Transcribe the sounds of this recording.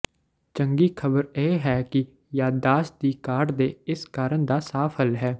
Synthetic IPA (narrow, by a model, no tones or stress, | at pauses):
t͡ʃə̃ŋɡiːkʰəbəɾeːɦɛːkɪ | jaːd̪d̪aːsd̪iːkaːʈd̪eːɪskaːɾənd̪aːsaːfʰəlɦɛː